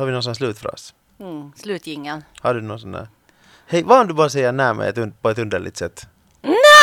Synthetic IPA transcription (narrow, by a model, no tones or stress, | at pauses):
hɑɾʋɪnuːsɔnːslʉːt̪fɾɑ̰s | slʉːt̪jɪŋːənhɑɖʉnuːsɔnːæ̰ | hɛɪʋɑkʰand̪ʉbɑːɾəs̬ɛɪjənæːɾmɛ̰ɛ̰t̪ʉnpʰɔɛt̪ʉnd̪əɭɪ̰t̪sɛt̪ː | næ